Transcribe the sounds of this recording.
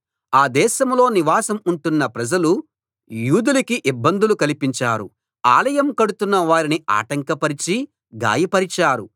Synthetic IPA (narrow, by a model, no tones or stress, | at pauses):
aːd̪ɛːʃɐmlo̞ːniʋaːsɐmuɳʈunːɐpɾɐd͡ʒɐlu | juːd̪ulɐkiʔibːɐnd̪ulukɐlipiɲt͡ʃaːɾṵ | a̰ːlɐjɐmkɐɽut̪unːɐʋaːɾinia̰ːʈɐŋkɐpɐɾit͡ʃi | ɡa̰ːjɐpɐɾit͡ʃaːɾu